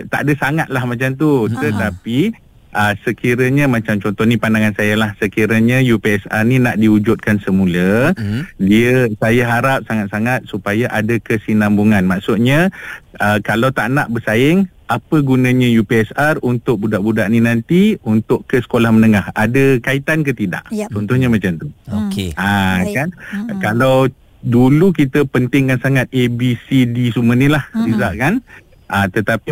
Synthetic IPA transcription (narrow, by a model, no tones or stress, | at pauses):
t̪a̰ʔdəsaŋat̪̚lahmat͡ʃamt̪̬ut̪ət̪api | ʔəsəkiɾəɲəmat͡ʃamt͡ʃɔnt̪ɔhnipandaŋansajalahsəkiɾaɲə̃jupiɛsa̰rninaʔdiud͡ʒʊt̪̚kansəmulə | diəsajaɦaɾap̚saŋat̪̚saŋat̪̚supajaʔadəkəsinambuŋanmaʔsʊt̪̚ɲəəkalawt̪aʔnaʔbəsaɪŋ | apəɡunə̃ɲə̃jupiɛsarunt̪ʊk̚budaʔbudaʔninant̪iunt̪ʊʔkəsə̥kolahmənəŋahadəkait̪ankət̪ida̰ʔt͡ʃɔnt̪ʊhɲamat͡ʃamt̪uokeakankalaw | dulukit̪əpənt̪ɪŋkansaŋat̪̚ebisidisumənilahizaʔkan | ʔat̪ət̪api